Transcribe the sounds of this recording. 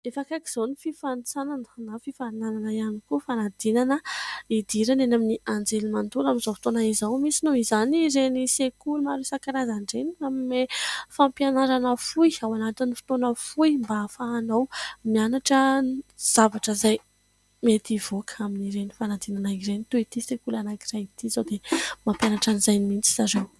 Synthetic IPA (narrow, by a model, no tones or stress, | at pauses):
efakaki̥z̥onififant͡sanannafifaɾnananaianikufanad̪̥inanəid̪̥iɾanenaminiand͡zelimand̪ulaminzofi̥t̪onaizawmisinoizaniɾenisekulmaɾisakaɾazaɳɖ͡ʐeniammefampjanaɾanəfujawanat̪inifi̥t̪onəfujmbafaːnawmianaʈ͡ʂəz̥avaʈ͡ʂəzaj | met̪ivokaminiɾenifanad̪inanaiɾenit̪uit̪isekulanakirajit̪izawd̪emampjanaʈ͡ʂanizajnimint͡si̥zaɾew